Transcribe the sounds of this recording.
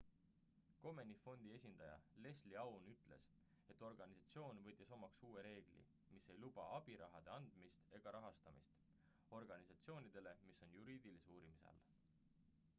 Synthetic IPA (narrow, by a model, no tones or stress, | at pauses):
ko̞me̞nifo̞nd̪̥ie̞sʲind̪̥ɑjɑ̰le̞sliɑwnyt̪ːˑle̞̰s | e̞t̪ːˑo̞rɡ̥ɑnisɑt̪sio̞ːnvɤt̪ʲːˑiso̞mɑksuːweɾe̞ːɡ̥lḭ | mise̞jlub̥ɑɑb̥iɾɑɦɑd̪̥e̞ɑnd̪̥mist̪e̞ɡ̥ɑɾɑɦɑst̪ɑmist̪ | o̞rɡ̥ɑnisɑt̪sio̞ːnid̪̥e̞le̞misːo̞njuɾiːd̪̥ilisuːɾimisḛl